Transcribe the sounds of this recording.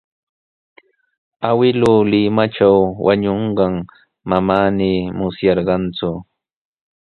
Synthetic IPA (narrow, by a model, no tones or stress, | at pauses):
awɪlʊːlɪmaʈ͡ʂawwa̰ɲoɴɢɑŋ | mamaːnɪmʊsjɑɾɢɑnt͡sʊ